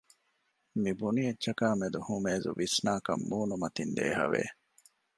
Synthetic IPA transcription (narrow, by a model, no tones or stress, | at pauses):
mibunijetːʃɐkaːmed̪uhumeːzṵʋisnaːkɐ̰mːuːnumɐt̪ind̪ḛːɦɐ̰ʋḛː